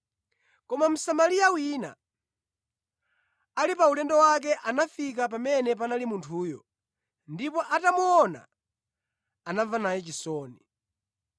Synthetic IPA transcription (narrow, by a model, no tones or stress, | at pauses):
kɔmam̩samaliawina̰ | alipaulɛndɔwak̬ɛʔanafik̬ap̬amɛnɛp̬analimuntʰuːjɔ | ndipɔʔatamuɔna̰ | anavanajɛt͡ʃisɔːni